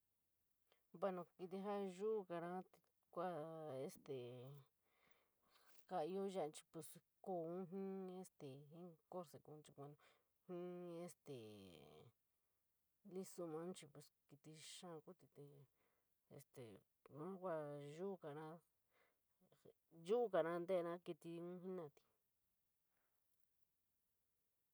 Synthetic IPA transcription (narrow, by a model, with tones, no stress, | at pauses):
ba˧nõ˧ki˧t̪̬i˧ɦa˦ʒu˦˧ka˧ɾã˦t̪i̥˧ | kʷa˦e˧st̪e˨ | ka˧i˧o˦ja˦ʔt͡ʃi̥˧pu˧sko˧˨ũ˦ɦĩ˦e˦st̪e˨ĩ˦ko˦ɾse˧ku˧nt͡ʃi˧kʷa˧nõ˧ | hĩ˦e˦st̪e˨ | li˦su˧mã˧˦t͡ʃi˧pu˧˨ski˧t̪i˧ʃã˦˧ku˦t̪i˧t̪e˧ | ḛ˧st̪ḛ˨ | nã˦kʷa˧ʒu˦˧ka˨nã˧ | ʒu˦˧ka˨nã˧nd̪e˦˧nã˦ki˧t̪i˧ũ˦ɦĩ˦nã˧˨t̪i̥˧